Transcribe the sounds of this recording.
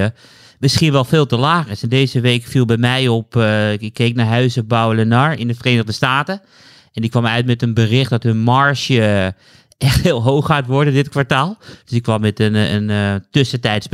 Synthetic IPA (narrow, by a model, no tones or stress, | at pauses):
ə | mɪsxiənʋɛlˠfeːlˠtəlaːxɪsɛndeːzəʋeːkfilˠbɛjmɛjɔpɪkʰːeːknaɹɦœɥsəbawələnaɹɪndəfəreːnəɣdəstaːtə | ɛnɪkːʋɔmœɥtmɛtənbərɪxt̚dɔthønmaɹsjə | ʔɛxthɪːlˠɦoːxːaːtʋɔrdədɪtkʋaɹtaːlˠd̥øsɪkʋɔmɛtənə̰ntøsətɛjtsb